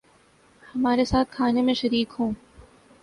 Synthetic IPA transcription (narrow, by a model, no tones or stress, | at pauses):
hɐmaːɾesaːt̪kʰaːnẽmẽʃɐɾiːkɦũː